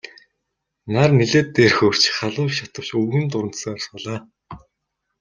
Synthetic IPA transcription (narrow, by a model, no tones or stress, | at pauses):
narniɮeːt̪ːeːrxoːr̥t͡ɕχaɮʊːʃat̪ə̆w̥t͡ɕuɣĭːnt̪ʊɾə̆n̥t̪sːr̆spɔɮaː